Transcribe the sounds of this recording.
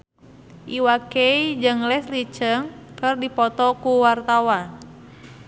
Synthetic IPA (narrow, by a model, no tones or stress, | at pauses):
ʔiwakeid͡ʒɨŋlɛslit͡ʃəŋkərdipɔt̪ɔkuwart̪awan